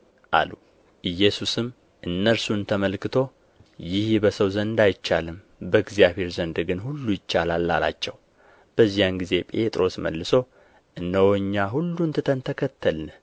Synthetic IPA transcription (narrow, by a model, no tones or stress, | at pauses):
ʔa̰lu | ʔɨjːɛsusɨm | ʔɨnːəɾsunt̪ʰəməlkɨt̪ʰo̞ | jɪhbəsəwzənd̪ajt͡ʃːalɨm | bəɨɡzijaβe̞ɾzənd̪ɡɨnɦulːujɪt͡ʃːalalːa̰la̰t͡ʃːɛw | b̥əzːijanɡize̞pʼe̞t̪ʼɾo̞smə̰lːɨso̞ | ʔɨnːəwoɲːaɦulːunt̪ʰɨt̪ʰənt̪ʰəkʰət̪ʰːəln